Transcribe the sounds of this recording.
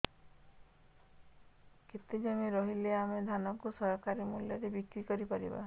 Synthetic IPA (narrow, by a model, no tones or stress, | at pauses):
ket̪ed͡ʒamiɾɔɦileamed̪ʱanɔkusɔɦɔkaɾimuljɔɾebikɾikɔɾipaɾiba̰